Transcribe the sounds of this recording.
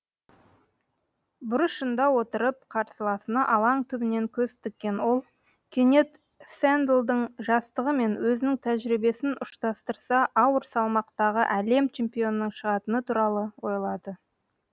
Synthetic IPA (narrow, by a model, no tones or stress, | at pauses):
bʊɾəsʃənd̪ɑwo̞t̪əɾəp̚qʰɑɾsəlˠɑsənɑʔɑlˠɑɴt̪ʰʏbɪne̞ŋkʲʰɵst̪ɪk̚ʲːe̞nwo̞lˠ | kʲʰene̞t̪ | sænd̪lˠd̪əɴʒɑst̪əʁəme̞nwɵzɪnɪŋt̪ʰæʒɾibe̞sɪnʊʃt̪ɑst̪əɾsɑʔɑwəɾsɑlˠmɑqt̪ɑʁəʔæle̞mt͡ʃʰe̞mpʲijo̞nəːəɴʃəʁɑt̪ənət̪ʰuɾɑlˠəwo̞jlˠɑd̪ə